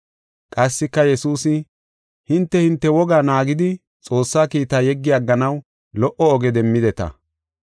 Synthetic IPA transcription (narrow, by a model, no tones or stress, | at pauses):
kʼɐsːɪkːɐjɛsuːsɪ | hɪnt̪ːɛhɪnt̪ːɛwɔɡaːnaːɡɪd̪ɪ | t͡sʼo̞ːsːaːkiːt̪aːjɛɡːɪjaɡːɐnɐw | lɔʔɔːɡɛd̪ɛmːɪd̪ɛt̪ɐ̰